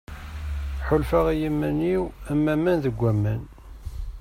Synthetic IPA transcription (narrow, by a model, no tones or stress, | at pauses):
ħʊlfæʁijimːæniwæmːæmːænðəɡʷːæmːən